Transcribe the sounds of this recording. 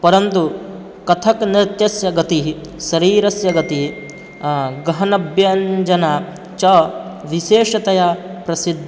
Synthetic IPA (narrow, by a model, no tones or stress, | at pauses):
pɐɾɐnt̪u | kɐt̪ʰɐkniɾt̪jɐsjɐɡɐt̪iɦ | sɐɾiːɾɐsjɐɡɐt̪i | ɡɐɦɐnɐbʱjɐɲd͡ʒɐnɐ | t͡ʃɐʋiʃeːʂɐt̪ɐjɐpɾɐsid̪ʱː